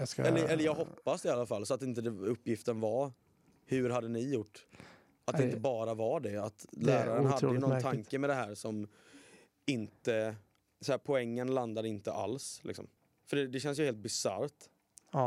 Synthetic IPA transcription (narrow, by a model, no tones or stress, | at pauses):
ɛlːəɾɛlːəɾjɑːɡɦɔpːasd̪ɪalːafalːsɔat̪ːɪnt̪əd̪ɛɵpːjɪft̪ənva | hʉɾɦad̪ːənɪjʊʈː | at̪dd̪ɛɪnt̪əbɑːɾavaɖɛat̪læːɾaɾənnhad̪əjənɔnnt̪ʰaŋkəmɛd̪ɛɦæːɾʂɔm | ɪnt̪ə | sɔæːɾpʰɔɛŋːənland̪aɾɪnt̪ə̰ʔa̰lslɪksɔ̰m | fœɖɛd̪ɛɕɛns̬jʏheːlt̪̚bɪsa̰ɾt̪